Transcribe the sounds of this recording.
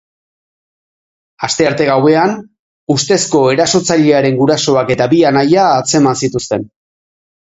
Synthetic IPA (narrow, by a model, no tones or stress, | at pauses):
ast̪e̞aɾt̪e̞ɣawe̞an | ust̪e̞sko̞e̞ɾaso̞t͡saʎe̞aɾe̞ŋɡuɾaso̞ake̞t̪abianajaːt͡se̞mansit̪ust̪e̞n